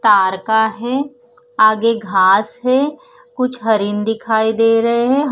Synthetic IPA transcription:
t̪aːɾkaɦɛː | aːɡeɡʱaːsɦɛː | kʊt͡ʃʰɦɐɾɪnd̪ɪkʰaːid̪eːɾɐɦeɦɛ̃ɦ

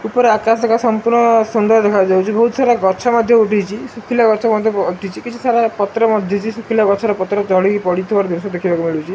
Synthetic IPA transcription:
upɔɾeakasɔkasɔmpuɾɳɔsɔnd̪ɔɾd̪ekʰad͡ʒawt͡ʃʰibɔɦut̪saɾaɡɔɾt͡ʃʰamɔd̪ʱjɔuʈʰit͡ʃʰisukʰilaɡɔɾt͡ʃʰakmɔd̪ʱjɔuʈʰit͡ʃʰikit͡ʃʰu̥saɾapɔt̪ɾɔmɔd̪ʱjɔt͡ʃʰisukʰilaɡɔɾt͡ʃʰaɾɔpɔt̪ɾɔt͡ʃɔɭikipɔɽit̪ʰibaɾd̪isɔd̪ekʰibakumiɭut͡ʃʰi

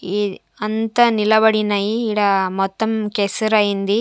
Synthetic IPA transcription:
ɐnt̪ɐnilɐʋɐɽinɐjiːɽɐmɔt̪ːɐmkɛsɐɾɐind̪i

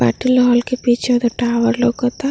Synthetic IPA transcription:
a̰ʈilɔɦɔlkepit͡ʃʰeod̪ɔʈaːʋəɾloɡɔt̪a

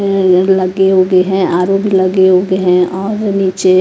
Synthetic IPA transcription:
lɐɡeɦoːɡeɦɛ̃aːɾoːpbʱilɐɡeɦoːɡeɦɛ̃ɔːɾniːt͡ʃe

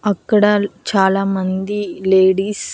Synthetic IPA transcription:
ɐkːɐɽɐt͡ʃaːlaːmɐnd̪ileːɽiːs

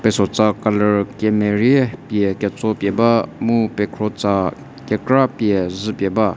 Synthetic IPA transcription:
pɛsɔt͡sakaləɹkɛmeɹiɛpjɛkʲɛt͡sɔpjɛbamupɛkʰɾɔt͡sa | kɛkɹapjɛzɨpjɛba

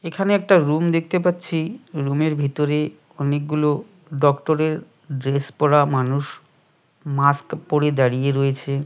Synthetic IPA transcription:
ekʰaneɛk̚ʈaɾumd̪ek̚ʰt̪epatːɕʰiɾumeɾbʱit̪oɾe | ɔnek̚ɡulo | ɖɔkʈoɾeɾ | ɖɾespɔɽamanuʃ | maskpoɽed̪aɽijeɾoet͡ɕʰe

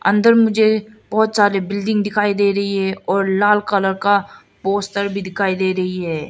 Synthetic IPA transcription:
ɐ̰̃nd̪əɾmʊd͡ʒʱeb̥ɔɦʊt̪saːɾebɪlɖɪ̃ŋɡd̪ɪkʰaːid̪eːɾɐɦiɦɛɔːɾlaːlkələɾka | poːsʈəɾbʱid̪ɪkʰaːid̪eːɾɐɦiɦɛː

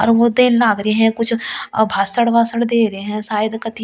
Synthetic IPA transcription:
ɔ̰ːɾʋod̪eːnlaːɡɾɐeɦɛ̃kʊt͡ʃʰbʱaːsəɽʋaːsəɽd̪eːɾɐɦeɦɛ̃saːjəd̪kɐt̪i

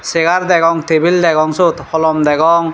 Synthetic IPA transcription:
seɡaɾd̪ɛɡɔŋt̪ebild̪ɛɡɔŋsut̪hʰɔlɔmd̪ɛɡɔŋ

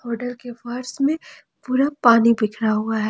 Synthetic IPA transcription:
ɔːɾʈəlkefaɾsmẽ | puːɾapaːnibɪkʰɾaɦuaɦɛː

